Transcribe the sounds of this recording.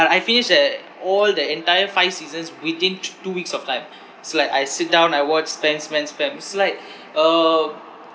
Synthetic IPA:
atajfinɪʃdɛt | ɔld̪əɛ̃ntajəfaɪvsizə̃nswid̪ĩntuwiksɔftãɪ̃m | ɪslaɪkajsit̚dãʊ̃najwɔt͡ʃspɛ̃nspɛ̃nspɛ̃nitslaɪk̚ | ʌ

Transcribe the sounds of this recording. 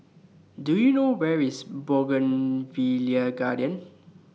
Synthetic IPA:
dujunowɛɹisbɔɡə̃nviliəɡadiə̃n

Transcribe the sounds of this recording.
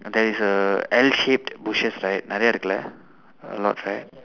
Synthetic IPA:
d̪ɛtisəɛlʃep̚tbuʃɛsɹajt̚naɾɛaɾkla | ə̰lɔ̰tʰɹajt̚

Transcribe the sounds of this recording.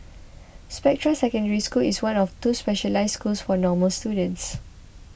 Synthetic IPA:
spɛk̚tɹəsɛkə̃ndəɹiskuliswãnɔftuspɛʃəlaɪsskulsfɔnɔməlstjudə̃nts

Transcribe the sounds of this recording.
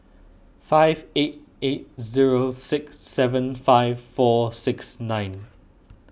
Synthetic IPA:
faɪveɪt̚ | eɪt̚zɪɹoʊsɪksɛvə̃nfaɪv̥fɔːsɪksnãɪ̃n

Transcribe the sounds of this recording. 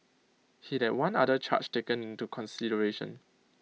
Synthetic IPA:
hidɛt̚wãnadət͡ʃʰa̰t͡ʃtekə̃nĩntukʰɔ̃nsidəɹeʃə̰̃n

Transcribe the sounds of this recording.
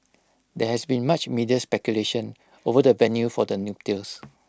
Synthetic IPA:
dɛhɛsbĩnmat͡ʃmidiəspɛkjuleʃə̃n | ovədəvɛ̃njufɔdənjup̚tils

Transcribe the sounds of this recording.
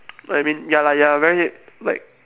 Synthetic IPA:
ʔaɪmĩnjalajavɛɹilaɪk̚

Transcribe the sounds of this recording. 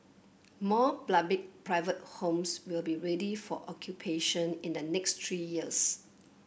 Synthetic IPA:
mɔblabɪk̚pʰɹaɪvət̚hõmswilbiɹedifɔʔɔkʰjupʰeʃə̃nĩndənɛkstʰɹijiəs

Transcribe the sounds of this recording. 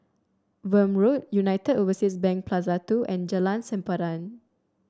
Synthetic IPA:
wəmɹot̚junajtədovəsitsbɛ̃ŋk̚pʰlazatuʔɛ̃nd͡ʒəlãnsɛ̃mpaɾãn

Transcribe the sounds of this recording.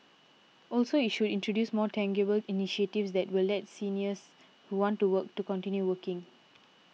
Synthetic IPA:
ʔɔlsoitʃudĩntʰɹodjusmɔtʰɛ̃ŋɡəbəliniʃetifsd̪ɛtwilːɛt̚siniəs | huwɔ̃ntuwək̚tukɔ̃ntĩnjuwəkɪ̃ŋ

